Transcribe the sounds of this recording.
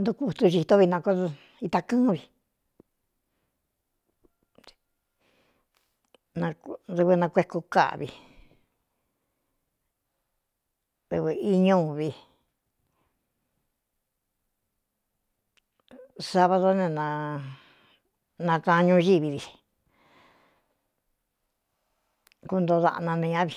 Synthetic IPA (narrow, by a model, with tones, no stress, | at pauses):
nd̪u˧ku˧˨t̪u˧ʒi˧t̪o˦βi˧nã˧ko˦˧ | i˧t̪a˧kɨ̃ː˦βi˧ | nã˧ðɨ˧βɨ˧nã˧kʷe˧˦ku˧ka̰˦ʔβi˧ | ðɨ˧βɨ˧i˧ɲũ˦βi˧ | sa˧βa˧ðo˦nẽ˧nã˧ | nã˧kã˧ɲũ˧˦˧ʒi˦βi˧βi˧˨ | ku˧˦nd̪o˧ða̰˧ʔnã˧nĩ˧ã˦βi˧